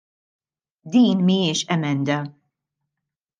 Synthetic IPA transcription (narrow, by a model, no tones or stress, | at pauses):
d̪iːnmiɪːʃɛmɛnd̪ɐ